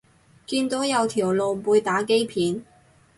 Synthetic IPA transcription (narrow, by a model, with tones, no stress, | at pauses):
kiː˧nt̪o˨˥jɐ˨˧wt̪ʰiː˨˩wlo˨˧wpuː˨˧jt̪aː˨˥ke˥jpʰiː˨˥n